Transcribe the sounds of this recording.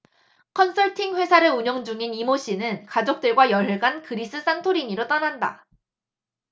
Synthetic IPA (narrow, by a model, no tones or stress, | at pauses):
kʰʌnsʰʌɭtʰiŋɸwe̞sʰaɾɯuɲʌŋd͡ʑuŋinimoɕ͈inɯnkad͡ʑok̚t͈ɯɭɡwajʌɭɦɭɡankɯɾis͈ɯs͈antʰoɾiɲiɾot͈ʌnanda̰